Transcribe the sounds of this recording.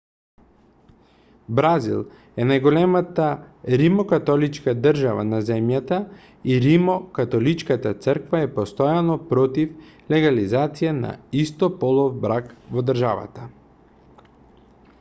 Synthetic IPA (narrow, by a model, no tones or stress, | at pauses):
bɾazḭlˠ | ɛnajɡɔlɛmat̪aɾimɔkat̪ɔlit͡ʃkad̪r̩ʒava̰nazɛmjat̪a | iɾimɔkat̪ɔlit͡ʃkat̪at̪səɾkvaɛpɔst̪ɔjanɔpɾɔt̪iflɛɡalizat̪sijana̰ist̪ɔpɔlˠɔvbɾakvɔd̪rʒava̰t̪a